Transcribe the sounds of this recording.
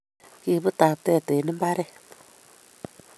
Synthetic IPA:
ke˨bɨ˦taː˨tɛ˦˨tɛ˨nɨ˦m˦ba˦ɾɛ˦˨

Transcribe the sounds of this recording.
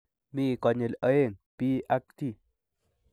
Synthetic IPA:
miː˨kɔ˨ɲe˨lə˦e˦˨ŋpi˦ʔa˦k̚t̪i˦˨

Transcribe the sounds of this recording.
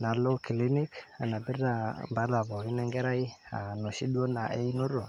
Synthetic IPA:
na˨lo˦ki˨li˦ni˦ka˨na˨bi˦ɾda˦˨mba˨˦la˨bɔ˨ɾi˦nɛ˦ŋɡɛ˦ɾa˦i˦a˨no˨ʃi˦du˦o˦na˨ʔḛ˦i˦nu˦ɾɔ˨

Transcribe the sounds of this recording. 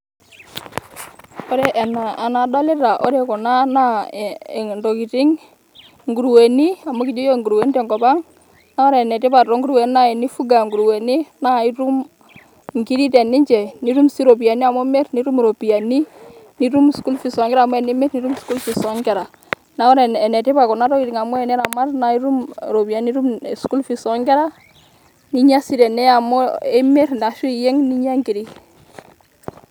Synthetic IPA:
o˦ɾe˦ʔɛ˨naː˨na˨da˦le˦ta˨ʔɔ̰˦ɾe˨kɔ˨na˦na˦˨ | ndo˨ki˨ti˦ŋ | ŋɡu˨ɾwe˨ni˦a˨mo˦ki˨d͡ʒo˦jo˦˨ŋɡu˨ɾwe˨˦n˦te˨ŋɡɔ˨ba˦ŋ | na˦ɔ˦ɾɛ˨nɛ˨ti˦pa˨tɾo˦ŋɡu˦ɾuwe˨ni˦na˦e˨ni˦fu˦ɡa˨ŋɡu˨ɾwe˨ni˦na˦˨i˦ɾu˦m | ŋɡi˦ɾi˦tɛ˨ni˦ɲd͡ʒɛ˨ni˦ɾu˦msi˦ɾo˨pi˨a˨ni˦a˨mɔ˦mɛ˦ɾni˦ɾu˦mɾo˨pi˨a˨ni˦ni˨ɾu˦msku˦lfi˨sɔ˨ŋɡɛ˦ɾa˨m˦ɛ˨ne˦me˦ɾni˦ɾu˦msku˦lfi˨sɔ˨˦ŋɡɛ˨ɾa˨ | na˨˦ɔ˦ɾɛ˨ɛ˨nɛ˨te˦pa˨kɔ˨na˦ɾɔ˦i˨ɾi˨ŋa˨mɔ˦ɛ˨nɛ˦ɾa˨ma˦ɾna˨i˦ɾu˦mɾo˨pi˨a˨ni˦ɾu˦m˨sku˦lfi˨sɔ˨˦ŋɡɛ˦ɾa˦ | ni˦ɲa˦si˦ɾɛ˨nɛ˦a˨mɔ˦e˦me˦ɾnda˨ʃu˦˨jɛ˦ŋni˦ɲa˦ŋɡi˨ɾi˦

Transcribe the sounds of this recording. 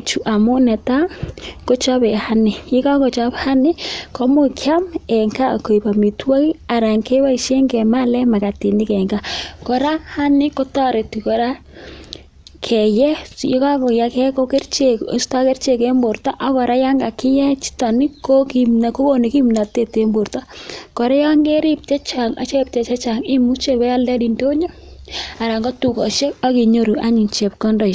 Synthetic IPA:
t͡ʃu˨ʔa˨mʊ˦nɛ˨ta˦ko˦t͡ʃa˦bɛ˨ha˦nɪ˨ji˦ka˦ko˨t͡ʃa˦pha˦nɪ˦ko˦mʊ˦kʰja˦mɛ˨ŋka˦ko˨i˨pa˨mi˨twa˦ki˦a˨ɾa˨ŋke˦wa˦i˨ʃe˦ŋɡɛ˨ma˦lɛ˦ma˨ka˨ti˨ndi˦kɛ˨ŋɡa˦ko˨ɾa˦ha˦nɪ˦ko˦ta˦ɾe˨ti˨ko˨ɾa˦ | kʰɛ˨jɛ˦jka˦kɔ˨ja˨kɛ˦ko˦ke˦rt͡ʃe˨sta˦kɛ˦rt͡ʃe˨kɛ˦mbo˨ɾtɔ˦ʔa˦kɔ˨ɾa˦ja˦ŋɡa˨kɪ˦jɛ˦t͡ʃi̥˦tɔ˨nɪ˦ko˦ki˨mna˨ko˦ko˦ni˨ki˦mna˨te˦te˦mbo˨ɾta˦kɔ˨ɾɛ˦ja˦ŋɡe˦ɾi˦p̚t͡ʃɛ˦t͡ʃa˨ŋa̰˨˦t͡ʃe˦p̚t͡ʃɛ˨t͡ʃa˦t͡ʃa˨ŋɪ˦mu˦t͡ʃe˦kɛ˦ja˦lɛ˦di˨ndo˦ɲo˦ | a˨ɾa˨ŋɡɔ˦tu˨kɔ˨ʃe˦ka˦ki˨ɲo˦ɾu˨ʔa˦ɲi˨nt͡ʃe˨p̚kɔ˦ndɔ˨

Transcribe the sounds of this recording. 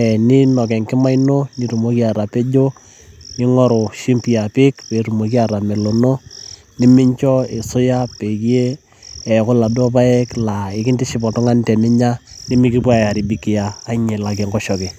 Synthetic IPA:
ɛ˨ni˦nɔ˨k̬ɛ˨ŋkɪ˦ma˦ino˦ni˦tu˨mo˦ki˦a˨ɾa˨pe˦d͡ʒo˦ | ni˦ŋɔ˦ɾʊ˨ʃi˦mpi˨a˨pɪ˦kpe˨ɾu˨mo˨k̬i˦a˨ɾa˨mɛ˨lo˨no˦ | ni˦mɪ˦ɲt͡ʃɔ˦e˨sʊ˦ja˦pe˨kje˦ | ɛ˨kʊ˦la˨do˦p̬a˦ɛ˦kla˨ɪ˨kɪ˦ntɪ˦ʃɪ˨pɔ˨tɔ˦ŋa˦n˦tɛ˨nɪ˦ɲa˦ | nɪ˦mi˦kɪ˦pa˦ja˨ɾi˨bi˨kɪ˨jaː˨˦ɲe˨la˨kɛ˨ŋɡɔ˦ʃɔ˨ke˨

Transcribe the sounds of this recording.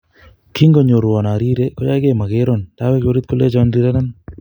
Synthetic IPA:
kʰi˦ŋɡɔ˨ɲo˨ɾwɔ˨na˨ɾi˦ɾe˦kɔ˦ja˦ke˨ma˨ke˦ɾɔ˦˨nta˦wɛ˦ko˦ɾi˦t̪̚ko˦le˦t͡ʃɔ˦nɾi˦ɾɛ˦na˦n

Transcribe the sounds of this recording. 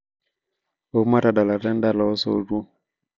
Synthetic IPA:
o˨˦ma˦ta˨da˨la˨tɛ˦n˦da˦˨lɔ˨ɔ˦so̰˦˨du˦

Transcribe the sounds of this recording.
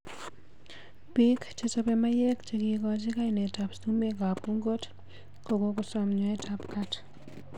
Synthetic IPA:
pikt͡ʃesɔ˦pɛma˦je˦kt͡ʃeki˨kɔt͡ʃi˦ka˦inɛ˨ta˨pstu˦me˦k̬a˨p̚ku˦ŋɡo˦t | ko˨ko˦kʊsɔmɲɔɛ˦tʰapkat

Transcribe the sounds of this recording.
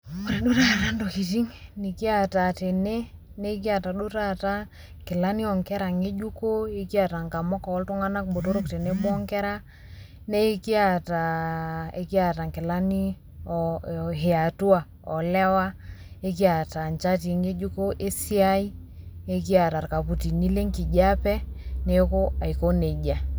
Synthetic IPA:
mo˨ɾe˨ɗu˦ta˦ja˨ta˦ndo˨ki˨t̬i˦ŋni˨ki˦a˨ta˨te˨ne˦ | ne˦k̬i˦a˨ta˨ɗu˦ta˦ta˦ | ŋkɪ˨la˦ni˦ɔ˨ŋkɛ˦ɾa˨ŋe˦d͡ʒu˦ko˦e˦ki˦a˨ta˨ŋka˨mɔ˦kɔ˨ɔ˦lto˦ŋa˦na˦k̚bo˨to˦ɾo˦kte˨ne˦bɔ˦ŋkɛ˦ɾa˦ | ne˦ki˦a˦˨ta˨ḛ˦ki˦a˨ta˨ŋkɪ˨la˦ni˦˨ | ɦe˨a˨tu˦a˨ | ɔ˨lɛ˦wa˦e˦ki˦a˨ta˨nt͡ʃa˦ti˨ŋe˦d͡ʒu˦ko˦ʔe˦si˦a˦i˦ | e˦ki˦a˨ta˨ɾka˨pu˨ti˨ni˦le˦ŋki˨ɟa˦pɛ˦ne˦ko˦a˨i˨ko˦ne˨d͡ʒa˨

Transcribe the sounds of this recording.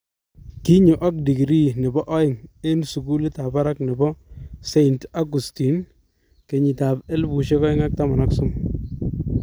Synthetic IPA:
ki˦ɲu˨ʔa˦k̚di˨ɡɾi˦ne˨bɔ˦ʔɔ˦jɪ˨ŋe˦nsu˨ku˦li˦ta˨pa˦ɾa˦kne˨bɔ˦se˦nta˦ɡu˨sti˨n | ke˨ɲi˨ta˨pe˦lbu˨ʃe˦kɔ˦ɪ˦ŋa˦k̚ta˦ma˨na˦ksʊ˦m

